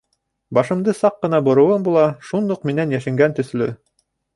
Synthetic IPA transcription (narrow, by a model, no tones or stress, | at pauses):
bɑʃɤ̆md̪ɤsɑqːɤ̆nɑbŏɾɤ̆wɤmbulˠɑʃund̪uqminænjæʃɘ̆ŋɡænt̪ɵ̆θlɵ